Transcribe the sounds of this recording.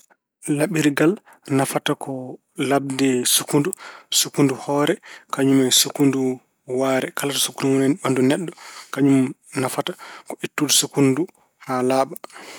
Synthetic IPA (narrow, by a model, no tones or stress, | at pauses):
laɓiɾɡal | nafatakʰɔ | lab̚dɛsukundusukunduhɔɾɛkaɲumajsukundu | waɾɛkalatasu̥kːundunaɓandunɛɗːɔkaɲumnafatakɔʔitːudusukundu | halaːɓa